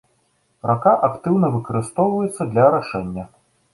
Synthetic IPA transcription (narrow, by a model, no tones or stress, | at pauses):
ɾʔakaʔakt̪ɨwnɐvɨkɐɾɨst̪ɔwvɐjɛt̪sːɐd̪lʲɐɾaʂɛnʲːɐ